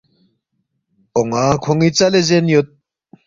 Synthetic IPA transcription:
oŋakʰoŋit͡salezenjot̪̚

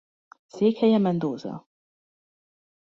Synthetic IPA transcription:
seːkhɛjɛmɛnd̪oːzɒ̰

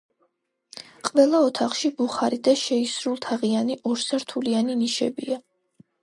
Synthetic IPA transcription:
qʼvɛlˠaɔt̪ʰaχʃibuχaɾid̪aʃɛisɾulˠt̪ʰaʁianiʔɔɾsaɾt̪ʰulianiniʃɛ̰bia

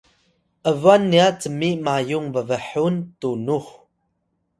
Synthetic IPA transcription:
ʔəvuanːiat͡səmimajuŋvəvəħuntunux

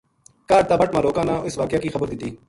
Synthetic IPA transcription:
kaːɖt̪aːbəʈmãːɾoːkãːnãːɪsʋaːkɪjaːkiːxəbəɾd̪ɪt̪ːiː

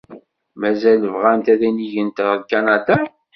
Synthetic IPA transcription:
mæzæləvʁænt̪æðæniʝənt̪kanad̪a

